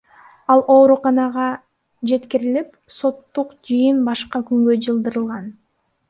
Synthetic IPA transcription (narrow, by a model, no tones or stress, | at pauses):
ɑlˠʔo̞ːɾuqɑnɑʁɑ | d͡ʒe̞t̪kiɾilip | so̞t̪ːuqd͡ʒɯjɯnbɑʃqɑkyŋɡød͡ʒɯlˠd̪ɯɾɯlˠʁɑn